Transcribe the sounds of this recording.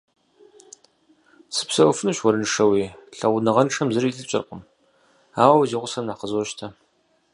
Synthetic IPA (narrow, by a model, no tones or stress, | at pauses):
sɨ̥psɐwfɨnuɕwɔɾɨnʂɐwiːɬɐʁʷʊnɨʁɐnʈ͡ʂʰɐmzɨɾiːɬɨt͡ʃʼɪ̰rqəm | aːwɐwɐziːʁʷʊsɐmnaːqəzɔʃtʰɐ